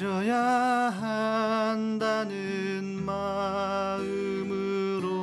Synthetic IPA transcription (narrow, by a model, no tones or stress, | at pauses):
ɾʌjaɦand̪anɯ | n | ma | ɯ | mɯ | ɾo